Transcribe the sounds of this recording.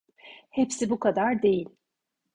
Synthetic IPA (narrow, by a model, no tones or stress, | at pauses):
hepsibukʰad̪aɾd̪e̞jilʲ